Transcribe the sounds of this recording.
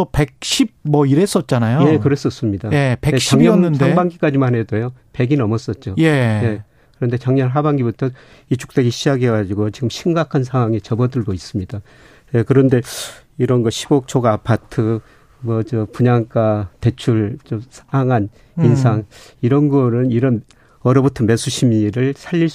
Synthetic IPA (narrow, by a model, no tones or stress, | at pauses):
ʌpe̞k̚ɕʰib̚mʌiɾes͈ʌt̚t͡ɕ͈anajoje̞kɯɾes͈ʌs͈ɯmɲidajeeeɕt͡ɕaŋnːɯnsdaŋbaŋɡik͈ad͡ʑimanɦedojope̞ɡinʌmʌs͈ʌt̚t͡ɕ͈ojeje̞ | kɯɾʌnde̞t͡ɕaŋɲʌnɦabaŋɡibutʰʌ | it͡ɕʰu̥k̚t͈eɡiɕʰiaɡeɡad͡ʑiɡot͡ɕiɡɯmɕʰimɡakʰansʰaŋɦwaŋet͡ɕʌbʌdɯɭɡois͈ɯmɲida | je̞kɯɾʌnde̞ | iɾʌnɡʌɕʰi̥bok̚t͡ɕʰoɡapʰatʰɯ | mʌt͡ɕʌpuɲaŋk͈ate̞t͡ɕʰuɭt͡ɕʌsʰaŋan | insʰaŋiɾʌnɡʌɾɯniɾʌn | ʌɾʌbutʰʌme̞sʰuɕʰimiɾɯɭsʰaʎːiɭs